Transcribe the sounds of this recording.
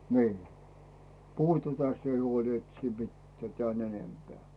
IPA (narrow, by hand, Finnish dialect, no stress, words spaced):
niː puhu tætæ sie huol et siːm mitːĕæˑ tĕæˑn enempeæˑ